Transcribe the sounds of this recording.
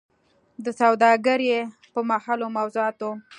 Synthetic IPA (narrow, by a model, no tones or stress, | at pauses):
d̪əsawd̪ɑɡəɾje | pəmahɑlomawzoɑt̪o